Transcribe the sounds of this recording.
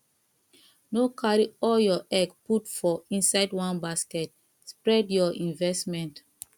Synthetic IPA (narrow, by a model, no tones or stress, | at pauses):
nokʰaɹiɔljɔʔɛɡputfɔĩnsaɪdwãnbaskɛt | spɹɛdjɔʔĩnvɛstmɛ̃nt